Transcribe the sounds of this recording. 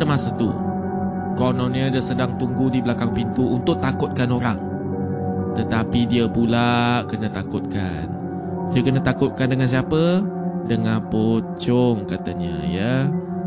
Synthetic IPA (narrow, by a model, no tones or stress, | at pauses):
dəmasət̪ṵ | konɔnɲədiəsədaŋt̪uŋɡudibəlakaŋpint̪uʔːnt̪ʊʔ̚t̪akʊt̪̚kanoɾaŋ | t̪ət̪apidiəpulaʔkənət̪akʊt̪̚ka̰ | n | diəkənət̪akʊt̪̚kandəŋans̬iapədəŋanpot͡ʃɔŋkat̪əɲə̰jə